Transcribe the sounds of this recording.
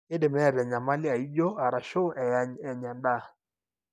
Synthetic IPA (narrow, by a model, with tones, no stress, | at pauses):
e˦de˨mɛ˦a˨ɾa˨ɲa˨ma˦lɪ˦a˨i˦d͡ʒɔ˦a˨ɾa˨ʃo˦ʔɛ˨ja˦ɲɛ˨ɲa˨nda˦˨